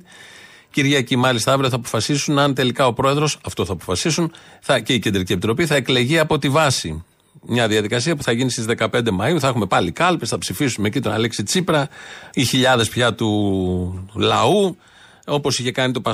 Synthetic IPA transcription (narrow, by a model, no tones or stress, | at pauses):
ciɾʝɐcimɐlist̪ɐɐvɾioθɐːpo̞̥fɐsisunɐnt̪e̞likɐo̞pɾo̞e̞ðɾo̞sɐft̪o̞θɐːpo̞̥fɐsisunθɐce̞ice̞nd̪ɾiciepit̪ɾo̞piθɐe̞kle̞ʝiɐpo̞t̪ivɐsi | mɲɐðiɐðikɐsiɐpuθɐʝinist̪izðe̞kɐpe̞nd̪e̞mɐiuθɐexume̞pɐlikɐlpesθɐpsifisumecit̪onɐ̰leksit͡sipɾɐiçiʎɐðe̞spçɐt̪u | lɐu | o̞po̞siçe̞kɐnit̪o̞pɐ